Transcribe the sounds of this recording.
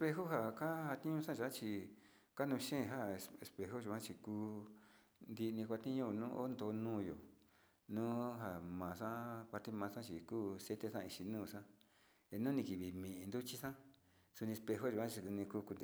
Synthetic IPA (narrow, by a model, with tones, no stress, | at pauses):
e˧spe˧ɦo˦ɦa˧˨ka˦ha˧t̪ĩ˦ɲũ˧˦sã˦ʒa˧˦t͡ʃi˧ | ka˦nũ˧ʃẽ˦˨˧ɦa˦˧e˧spe˧ɦo˦ʒu˧˨ã˦t͡ʃi˧kuː˧ | nd̪i˧nĩ˧kʷa˧t̪ĩ˦ɲũ˧˨nũː˦ʔo˦nd̪o˧nũː˦˨jo̰˨ | nũː˦ɦa˨mã˨˧sã˦pa˧ɾt̪e˦mãː˧sã˦t͡ʃi˨kuː˦se˦t̪e˧sã˦˧˨i˧t͡ʃi˧nũː˦˨sã˦ | e˧nũ˦nĩ˧ki˨βi˨mĩ˨ĩ˧nd̪u˦t͡ʃi˦sã˦ | su˧nĩ˧e˧spe˧ɦo˦ʒu˨ã˦t͡ʃi˧u˧nĩ˧kuː˦ku˧nd̪e˨